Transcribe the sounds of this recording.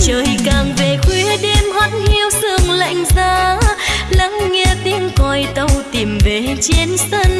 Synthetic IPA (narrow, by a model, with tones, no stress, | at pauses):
t͡ɕəː˨˩jkaː˨˩ŋve˨˩kwi˧˦əɗe˧mha˨˦˥t̚hi˧əwsɨ˧˩əŋla̰˧˨jŋ̟zaː˧ | la˧˨˥ŋŋɛ˧t̪i˨˧˦əŋkɔ˧˩jt̪ə˧wt̪i˨˩mve˨˩t͡ɕi˧˦nsə˧n